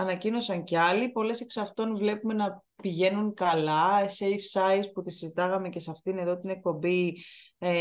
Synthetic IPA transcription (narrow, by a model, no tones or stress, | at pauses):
ɐnɐcino̞sɐŋceɐlipo̞le̞seksɐft̪o̞nvle̞pume̞nɐ | piʝe̞nuŋkɐlɐseifsɐisput̪isizit̪ɐɣɐme̞ce̞sɐft̪ine̞ðo̞t̪ine̞k̚po̞mbi